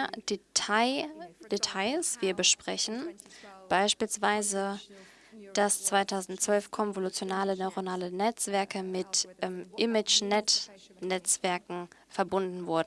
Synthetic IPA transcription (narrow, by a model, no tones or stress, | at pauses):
detʰaɪd̥etʰaɪsv̥iːɐbəʃpʁ̥ɛçn̩b̥aɪʃpiːlsv̥aɪzə | d̥ast͡sv̥aɪtʰaʊzn̩tt͡sv̥œlfkʰɔnvolut͡sjonaːlənɔʏʁonaːlənɛt͡sv̥ɛɐkəmɪtʔɛmʔɪmɪt͡ʃnɛtnɛt͡sv̥ɛɐkŋ̩fɛɐbʊndn̩vʊɐdn̩